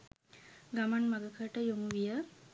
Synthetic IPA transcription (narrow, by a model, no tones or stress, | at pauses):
ɡamanmɐɡəkʰəʈəjoŋuʋijə